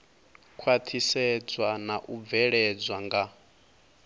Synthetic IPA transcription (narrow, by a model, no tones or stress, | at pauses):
kʰwat̪ʰisɛd͡zwanaʔub̪vɛɺɛd͡zwaŋɡa